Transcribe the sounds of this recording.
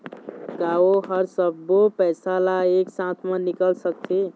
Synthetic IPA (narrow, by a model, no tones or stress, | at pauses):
kaoɦəɾsəbːopɛsalaeksãt̪ʰmə̃nikəlsək̚t̪ʰi